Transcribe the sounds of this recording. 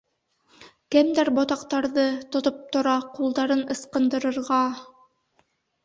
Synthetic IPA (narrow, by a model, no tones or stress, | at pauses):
kæmd̪æɾbot̪ɑqt̪ɑɾðɤt̪ŏt̪op̚t̪ŏɾɑqulˠd̪ɑɾɤnɤ̆sqɤ̆nd̪ɤ̆ɾɤ̆ɾʁɑ